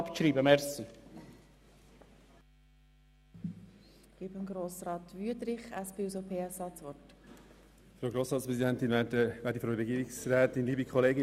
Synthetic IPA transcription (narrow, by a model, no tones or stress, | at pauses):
pʃɾiːbəmɛɾsi | ɡ̥iːbəmɡɾoːsɾɑːt̪ʋyəd̪ɾɪχæspɪwsopʰeːɛsɑːt͡sʋɔt | fɾowɡɾoːsɾɑːtspɾɛzidɛntinvɛːdəvæːɾdifɾowɾɛɡiːɾiksɾɛːt̪ɪnliːbikʰχɔleːɡɪ